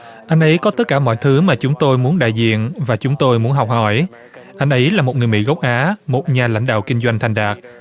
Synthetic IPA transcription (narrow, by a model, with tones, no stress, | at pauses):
ʔa˧jŋ̟ʔə˨˦jkɔ˨˦t̪ə˦˥t̚kːaː˧˩mɔ̰˧˨jt̪ʰɨ˨˦maː˨˩t͡ɕʊ˨˦ŋ͡mt̪o˧jmu˨˦ənɗa̰ː˧˨jzḭ˧˨ənvaː˨˩t͡ɕʊ˨˦ŋ͡mt̪o˧jmu˨˦ənɦɔ˨˩wk͡p̚hɔ̰˧˩j | ʔa˧jŋ̟ʔə˨˦jlaː˨˩mo˨˩t̚ŋɨ˨˩əjmḭ˧˥˩ɣə˦˥wk͡p̚ʔaː˨˦mo˨˩t̚ɲaː˨˩la̰˧jŋ̟ɗa̰ː˧˨wkï˧ŋ̟zwa˧jŋ̟t̪ʰa˨˩jŋ̟ɗaː˨˩k̚